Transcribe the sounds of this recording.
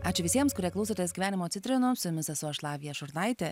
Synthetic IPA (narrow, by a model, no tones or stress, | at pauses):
ɑːt͡ʃʲɪʋʲɪsʲiɛmskʊɾʲiɛklˠʊsoːt̪ʲesɡʲiʋʲæːnʲɪmoːt̪sʲɪt̪ʲɾʲɪnoːsʊjʊmʲɪsɛsʊɐʃlˠɑːʋʲɪjɛʃʊɾnɐɪtt̪ʲɛ